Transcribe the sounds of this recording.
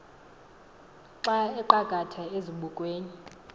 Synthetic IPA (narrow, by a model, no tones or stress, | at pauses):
ǁaɛǃaɡ̥ʱatʰaeziɓukʼweːni